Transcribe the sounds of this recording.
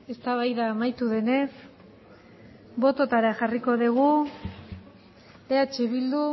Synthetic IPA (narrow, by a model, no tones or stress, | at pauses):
e̞st̪aβ̞ajðaːmajt̪uðe̞ne̞s | bo̞t̪o̞t̪aɾaʝariko̞ðiɣ̞u | eat͡ʃeβild̪u